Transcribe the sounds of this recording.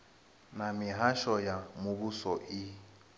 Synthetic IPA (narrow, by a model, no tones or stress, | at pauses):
namɪɦaʃɔjamubusɔʔi